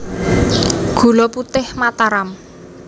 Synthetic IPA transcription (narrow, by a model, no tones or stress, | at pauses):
ɡ̥ṳlɔput̪ɪhmat̪aɾam